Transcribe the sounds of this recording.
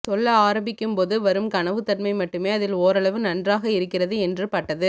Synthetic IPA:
t̪ɔɭːɐaːɾɐmbɪkːɯmpoːðɯʋɐɾɯmkɐɳɐʋɯt̪ɐnmɐɪmɐʈːɯmeːɐðɪloːɾɐɭɐʋɯnɐndraːɣɐɪɾɯkːɪrɐðɯɛndrɯpɐʈːɐðɯ

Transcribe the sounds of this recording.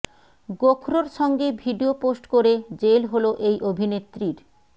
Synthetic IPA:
ɡokʰɾoɾʃɔŋɡebʱiɖioposʈkoɾed͡ʑelɦoloʔejʔobʱinet̪ːɾiɾ

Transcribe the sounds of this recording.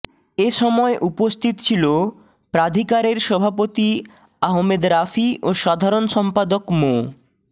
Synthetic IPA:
eʃɔmɔeʔupost̪ʰit̪t͡ɕʰilo | pɾad̪ʱikaɾeɾʃɔbʱapot̪i | aɦomed̪ɾafiʔoʃad̪ʱaɾonʃɔmpad̪okmo

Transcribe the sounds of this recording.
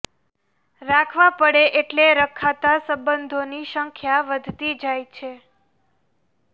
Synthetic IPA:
ɾakʰʋãpəɽeʔeʈleɾəkʰat̪asəbənd̪ʱoniʃəŋkʰjaʋəd̪ʱt̪id͡ʒajt͡ʃʰe

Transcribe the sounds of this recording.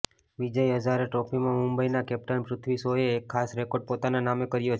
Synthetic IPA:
ʋid͡ʒəiɦəd͡ʒaɾeʈopʰimãmʊmbəinakɛp̚ʈənpɾʊt̪ʰʋisojeːkʰːasɾekoɖ̚pot̪ananamekəɾjot͡ʃʰ

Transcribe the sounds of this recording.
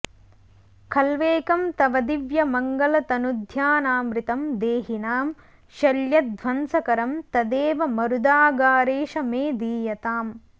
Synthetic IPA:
kʰɐlʋeːkɐmt̪ɐʋɐd̪iʋjɐmɐŋɡɐlɐt̪ɐnud̪ʱjaːnaːmɾit̪ɐmd̪eːɦinaːm | ʃɐljɐd̪̚ʱʋɐnsɐkɐɾɐmt̪ɐd̪eːʋɐmɐɾud̪aːɡaːɾeːʃɐmeːd̪iːjɐt̪aːm

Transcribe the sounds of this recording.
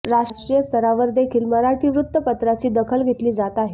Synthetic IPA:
ɾaʂʈɾijəst̪ʰəɾaʋəɾd̪ekʰiːlməɾaʈiːʋɾut̪ːəpət̪ɾat͡siːd̪əkʰəlɡʱet̪liːd͡zat̪aɦe

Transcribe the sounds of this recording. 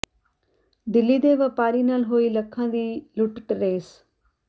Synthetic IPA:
d̪ɪlːiːd̪eːʋəpaːɾiːnaːlɦoːiːləkʰːãːd̪iːlʊʈʈɾeːs

